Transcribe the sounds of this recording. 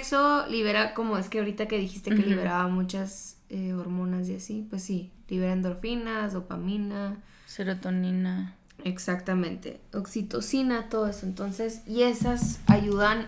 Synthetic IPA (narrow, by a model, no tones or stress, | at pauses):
ksoliβ̞e̞ɾako̞moe̞skeaoɾit̪ake̞ð̞ixist̪ekeliβe̞ɾaβamut͡ʃaseoɾmõ̞nas̬jasipwesːiliβe̞ɾaend̪o̞ɾfinasðo̞pamĩna | seɾot̪onina | eksakt̪amẽ̞nt̪e̞̰oksit̪o̞sinat̪o̞ðoe̞so̞ent̪o̞nse̞sie̞sasaʝuðan